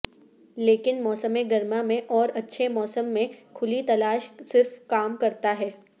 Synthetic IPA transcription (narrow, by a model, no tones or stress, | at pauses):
leːkɪnmɔːsəmeɡɐɾmamẽʔɔːɾɐtːʃʰemɔːsəmːẽkʰʊlit̪ɐlaːʃsɪɾfkaːmkɐɾt̪aɦɛː